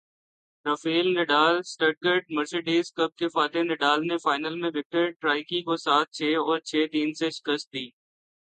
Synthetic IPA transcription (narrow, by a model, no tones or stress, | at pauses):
ɾəfiːlnɪɖaːlsʈəʈ̚ɡəɾʈ̚məɾseɖiːzkəb̚kefaːt̪enɪɖaːlnefaːɪnəlmẽʋɪk̚ʈəɾʈɾaːɪkikosaːt̪̚ʰt͡ʃʰeːɔːɾt͡ʃʰeːt̪iːnseʃɪ̥kəst̪̚d̪iː